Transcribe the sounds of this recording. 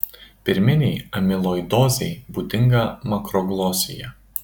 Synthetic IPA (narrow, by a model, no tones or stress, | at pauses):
pʲɪɾʲmʲɪnʲɛɪɐmʲɪlˠoːjd̪ɔːzʲɛɪbuːt̪ʲɪŋɡɐmɐkɾɔɡlˠɔːsʲɪjɛ